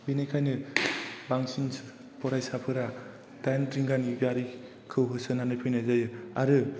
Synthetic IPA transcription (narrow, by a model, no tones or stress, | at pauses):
binajkʰajnɯ | baŋsins | pɔɾajsapʰɯɾa | tajntɾiŋɡaniɡaɾi | kʰɯwɦɯsɯnanɯpʰɯjnajzajɯa̰ɾɯ